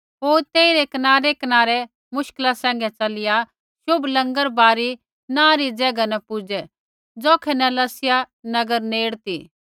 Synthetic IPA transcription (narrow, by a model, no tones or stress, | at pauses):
ɦoːɾt̪eːiɾɛkɐnaːɾɛkɐnaːɾɛ | mʊʃkəlasɛ̃ːŋɡɛt͡ʃɐlɪja | ʃʊblɐ̃ŋɡəɾbaːɾi | nãːɾid͡zɛːɡanɛpʊd͡ʒɛ | d͡zɔːkʰɛnɛ̃lɐsɪja | nɐɡəɾneːɽt̪iː